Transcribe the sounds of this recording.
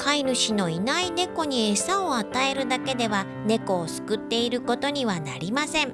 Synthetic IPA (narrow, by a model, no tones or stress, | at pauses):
kʰainɯ̟ɕino̞inaine̞ko̞ɲ̟iesaoat̪ae̞ɾɯ̟d̪ake̞d̪e̞βa | ne̞ko̞ːsɨ̥kɯ̟t̪ːe̞iɾɯ̟ko̞t̪o̞ɲ̟iβ̞ana̰ɾʲimasẽ̞ɴ